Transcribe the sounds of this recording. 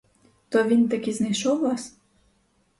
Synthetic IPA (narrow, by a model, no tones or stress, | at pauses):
t̪ɔʋʲint̪ɐkʲiznɐjʃɔwlˠas